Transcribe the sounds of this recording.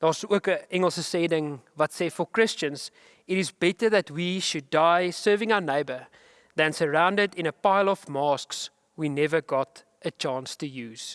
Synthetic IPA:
ðɑswəkəɛ̃ŋəl̩ˠsəsɛdɪ̃ŋvatsɛdfəkɹ̥ɪst͡ʃə̃nz̥ | ɪɾɪzbɛtəðætwiʃɨdːaɪsɜ˞vɪ̃ŋaʊəneɪbə | ðɨ̃nsəɹãʊ̃ndədɪ̃nəpaɪlˠɔvmɑsks | winɛvəɡɔt | ət͡ʃɑ̃ːnstɨjʉːz̥

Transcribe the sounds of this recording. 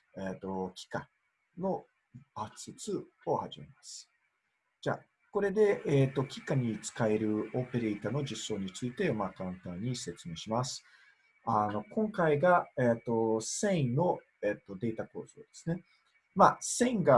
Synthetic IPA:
eːt̪ːo̞kʲi̥ka | no̞ | at͡sɨt͡sɨ | ohaʑime̞̰masɨ̥ | d͡ʑa̰ː | ko̞ɾe̞d̪e̞ːt̪ːo̞kʲi̥kaɲ̟it͡sɨ̥kaeɾɯ̟o̞pe̞ɾe̞it̪ano̞d͡ʑisːo̞ːɲ̟it͡sɨit̪e̞makãnt̪ãɲ̟ːise̞t͡sɨme̞ːɕimasɨ̥ | ano̞kõ̞ŋkaiɡaet̪ːo̞sẽ̞ĩnno̞ | et̪ːo̞d̪e̞ːt̪ako̞ːz̥o̞̰ːd̪e̞̥sɨ̥ne̞ | masẽ̞ĩŋɡa

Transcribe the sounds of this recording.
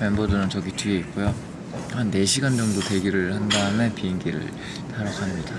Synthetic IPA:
penbʌdɯnɯnt͡ɕʌɡitʰɥie̞ik͈ojo | hanːe̞ɕʰiɡand͡ʑʌŋdote̞ɡiɾɯɭhandaɯme̞pieŋɡiɾɯ̰ɭ | taɾakʰamɲid̥a

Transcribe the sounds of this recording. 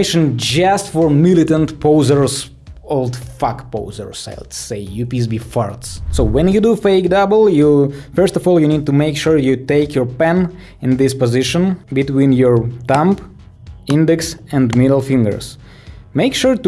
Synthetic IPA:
ɪʃə̃nd͡ʒʌstfɔɹmɪlˠɪtə̃ntpʰoʊzə˞s | olˠdfakpoʊzə̰˞sa̰ɪlseɪjupis̬bifɑ̰ɹtssoʊwɛ̃njɨdufeɪkdʌbəl̩ˠjufɜ˞stɔvɔlˠjɨnid̚tumeɪkʃuɹjɨteɪkʰjɔ˞pɛ̃n | ɪ̃nðɪspɔzɪʃə̃nbɨtwĩnjɔɹt̪ãmp | ɪ̃ndɛksɛ̃ndmɪɾəl̩ˠfɪ̃ŋɡə̰˞s | meɪkʃuɹt

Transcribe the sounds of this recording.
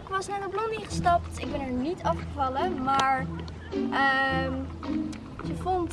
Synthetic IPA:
ɪkʋɑsnaːdəblɔniχəstɑptɪɡ̚bɛnɛɹnitɑfχəvɑləmaːɹ | ʔəm | jəvont

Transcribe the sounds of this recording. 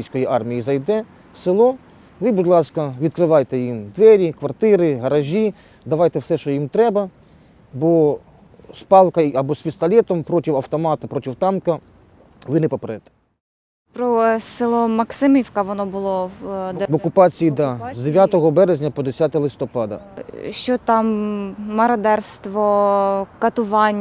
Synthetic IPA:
jsʲkɔjiʔɑrmʲijizɐjd̪ɛ | sɪlˠɔ | lˠɪbud̪lˠɑskɐʋʲid̪̚kɾɪʋɑjt̪ɛjimd̪ʋɛɾʲikʋɐrt̪ɪɾɪɦɐɾɐʒʲi | d̪ɐʋɑjt̪ɛwsɛʃt͡ʃɔjimt̪ɾɛbɐ | bɔ | spɑlˠkɐiɐbɔsʲpʲist̪ɐlʲɛt̪ɔmpɾɔtʲiwɐwt̪ɔmɑt̪ɐpɾɔtʲiwt̪ɑmkɐ | ʋɪnɪpɔpɾɛt̪ɛ̥ | pɾɔsɪlˠɔmɐksɪmiwkɐʋɔnɔbʊlˠɔd̪ʋɔkʊpɑt͡sʲijid̪ɑzd̪eʋʲjat̪ɔɦɔbɛɾezʲnʲɐpɔd̪esʲat̪ɔlˠɪst̪ɔpɑd̪ɐ̰ʃt͡ʃɔt̪ɑmː | ɐɾɐd̪ɛrst̪ʋɔkɐt̪ʊʋɑnʲː

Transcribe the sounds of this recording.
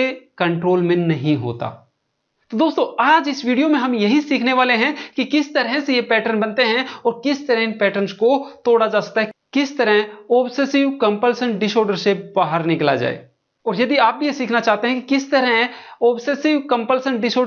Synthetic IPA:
ekɐ̃ɳʈɾoːlmẽnɐɦĩɦo̰ːt̪a̰ː | t̪od̪oːst̪õaːd͡ʒɪsʋiːɖijomẽɦɐmjɐɦisiːkʰneʋaːleɦɛ̃kikɪst̪ɐɾɦɛ̃sejepɛːʈəɾnbɐnt̪eɦɛ̃ɔːɾkɪst̪ɐɾəpɛːʈəɾnskot̪oːɽad͡ʒaːsɐ̥k̚t̪aɦɛkɪst̪ɐɾəɦɔːbseːsɪʋkɐ̃mpəlsə̃ɳʈɖɪʃoːɾɖəɾsebaːɦəɾnɪkla̰d͡ʒa̰ːḛː | ɔːɾjɐd̪iaːp̚bʱijesiːkʰnat͡ʃaːɦt̪eɦɛ̃kikɪst̪ɐɾəɦɔːbseːsɪʋkɐ̃mpəlsə̃ɳʈɖɪʃoː

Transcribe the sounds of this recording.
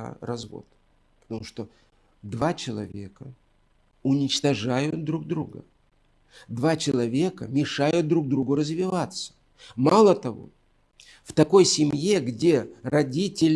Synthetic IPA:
rɐzvo̞̰t̪ | pə̥t̪ɐmuʂt̪o̞ | d̪vat͡ɕɪlˠɐ̰vʲe̞kə | ʊnʲɪt͡ɕt̪ɐʐajʊt̪̚d̪ɾuɡ̚d̪ɾuɡə̰ | d̪vat͡ɕɪlˠɐvʲe̞kəmʲɪʂajʊt̪̚d̪ɾuɡ̚d̪ɾuɡʊɾəzvʲɪvat̪sə̥ | malˠət̪ɐvo̞̰ | ft̪ɐko̞jsʲɪmʲje̞ɡdʲe̞rɐdʲitʲɪlʲ

